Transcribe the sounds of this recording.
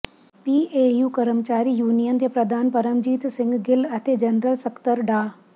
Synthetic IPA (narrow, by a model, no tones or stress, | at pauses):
piːeːjuːkɐɾəmt͡ʃaːɾiːjuːnijənt̪epɾɐd̪ʱaːnpɐɾəmd͡ʒiːt̪sɪ̃ŋɡɡɪlɐt̪ʰed͡ʒɐnɾəlsɐkt̪əɾɖaː